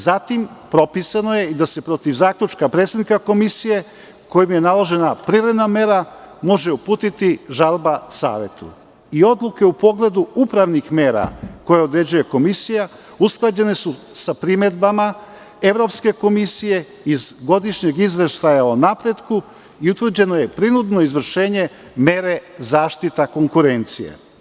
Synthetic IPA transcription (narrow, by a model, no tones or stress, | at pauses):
zat̪impɾo̞pisano̞je̞id̪ase̞pɾo̞t̪iʋzaːkʎʲut͡ʃkapɾeːt̪sed̪nikako̞misije̞ | ko̞jimje̞nalˠo̞ʒe̞napɾivɾe̞d̪name̞ɾamo̞ʒe̞upuːt̪it̪iʒalˠbasa̰ːʋe̞̰t̪ṵ | io̞d̪lˠuke̞upo̞ɡle̞d̪uupɾaʋnixme̞ːɾa̰kojeo̞d̪ɾe̞d͡ʑuje̞ko̞misija | usklˠad͡ʑe̞ne̞susapɾime̞d̪bama | e̞ʋɾo̞pske̞ko̞misije̞ | izɡo̞d̪iʃɲe̞ɡizʋe̞ʃt̪ajaonapɾe̞d̪ku | iut̪ʋr̩d͡ʑe̞no̞je̞pɾinud̪no̞izʋr̩ʃe̞ːɲe̞ | me̞ɾe̞zaːʃt̪it̪ako̞ŋkuɾe̞nt̪sijḛ